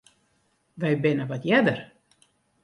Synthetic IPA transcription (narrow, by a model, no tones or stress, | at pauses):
ʋɛjbɪnəʋɔtjɛdər